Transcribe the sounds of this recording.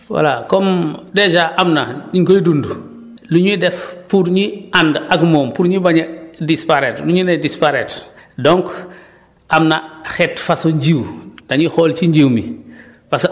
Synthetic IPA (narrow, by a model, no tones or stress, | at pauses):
wa̰lakɔmdɛd͡ʒaʔamnaiŋkojdundu | luɲidɛfpuɾɲiandaɡmɔːmpuɾɲibaɲadispaɾetluɲunɛdispaɾetdɔŋk | ʔamnaxɛtfasoɲɟiwdaɲixoːlt͡ʃiɲɟiwmḭ | fas